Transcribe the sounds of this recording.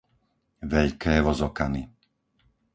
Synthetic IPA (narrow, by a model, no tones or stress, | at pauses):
ʋɛʎkɛːʋɔzɔkani